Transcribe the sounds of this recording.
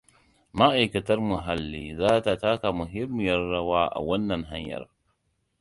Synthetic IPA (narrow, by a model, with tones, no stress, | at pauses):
ma˦ʔa˨jkɐ˨tɐ˦rmʊ˨ɦa˦lːiː˦zaː˦ta˨taː˦ka˨mʊ˨ɦɪ˦mːɪ˨jɐ˦rːɐ˦waː˦ʔa̰˨wɐ˦nːɐ˨ŋɦa˦ɲjɐ̰˨r